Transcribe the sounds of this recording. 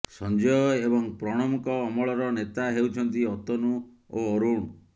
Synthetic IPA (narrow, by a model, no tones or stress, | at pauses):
sɔnd͡ʒɔjɔebɔŋpɾɔɽ̃ɔmukɔːmɔɭɔɾɔnet̪aɦewt͡ʃʰɔnt̪iɔt̪ɔnu | oɔɾuɽ̃u